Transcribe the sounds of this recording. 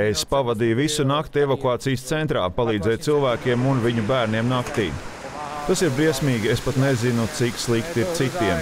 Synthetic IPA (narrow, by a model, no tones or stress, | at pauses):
espavad̪ijuvisunakt̪evokuaːt̪sijst̪sɛnt̪ɾa̰ːpalˠiːd̪zɛjt̪silˠvæːkʲiɛmunviɲubæːɾniɛmnakt̪iː | t̪asiɾbɾiɛsʲmiːɡʲiespat̪nezinut̪sikslˠikt̪iɾt̪sit̪iɛm